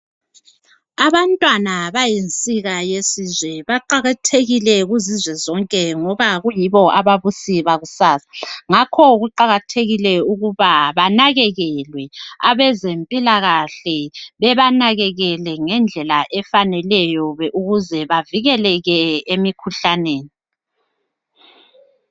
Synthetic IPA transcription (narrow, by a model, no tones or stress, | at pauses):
aβantʼwanaβajent͡sʼiɣajesizwɛβaǃaɣatʰeɣilɛɣuzizwɛzɔŋkʼɛŋɔβaɣujiβɔʔaβaβusiβaɣusaːsḁŋakʰɔɣuǃaɣatʰeɣilɛuɣuβaβanaɣɛɣɛlwɛaβɛzempʼilaɣaɬɛβɛβanaɣɛɣɛlɛŋɛnd͡ɮʱɛlaʔɛfanɛlɛjɔβʔuɣuzɛβaviɣɛlɛɣɛemikʰuɬaneːni